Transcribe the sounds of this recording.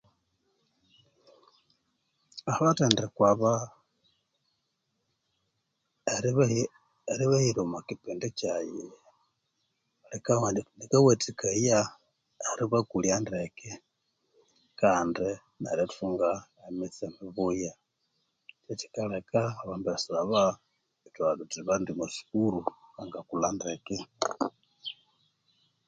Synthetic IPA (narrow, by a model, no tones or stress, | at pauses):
aβatandikwaβa | eɾi | eɾiβahiɾumakipindicaji | alikaanikawetikaja | aɾiβakuljandekɛ | kaːndi | na̰ɾatfuŋɡaemit͡semiβuja | t͡ʃet͡ʃi̥kalekaːβaːmbasiɾaβa | itwadutiβandimusi̥kuɾuaŋɡakulandekɛ